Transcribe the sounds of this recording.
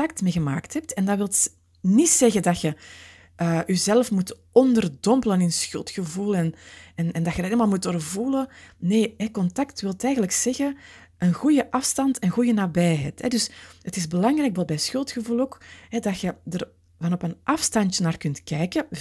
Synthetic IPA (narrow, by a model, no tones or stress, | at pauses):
tɑk̚tmeːɣəma̰ːktɦɛp̚tɛndɑwɪlˠt | nitsɛɣədɑxə | ʔəːʔyzɛləfmut | ɔndərdɔmpələnɪnsxʏ̰lˠtxəvulˠɛnɛnɛndɑxjədəɾelmaːlˠmutoːrvuləneːɦɛkɔntɑktwɪlˠtɛːjɣənləksɛɣə | ʔənɣujəʔɑfstɑntənɣujənaːbɛjɦɛ̰jthɛ̰dʏshətɪzbəlɑŋrɛjkbɛlˠbɛjsxʏlˠtxəvulˠoːkɦɛdɑxədər | vɑnɔpənʔɑfstɑntjənaːrkʏntkɛjkə